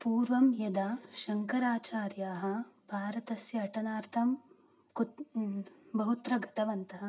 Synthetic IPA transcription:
puːɾʋɐmjɐd̪aːʃɐŋkɐɾaːt͡ʃaːɾjaːɦɐ̆bʱaːɾɐt̪ɐsjɐːʈɐnaːɾt̪ʰɐm | ku | bɐɦut̪ɾɐɡɐt̪ɐʋɐnt̪ɐɦɐ̆

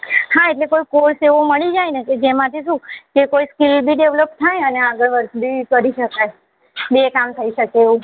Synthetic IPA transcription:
haeʈlekoikoɾseʋoməɭid͡ʒajneked͡ʒemãt̪ʰiʃũkekoiskilbʱiɖeʋləp̚t̪ʰajəneaɡəɭʋəɾt̪bʱikəɾiʃəkaj | bekamt̪ʰəiʃəkeːʋũ

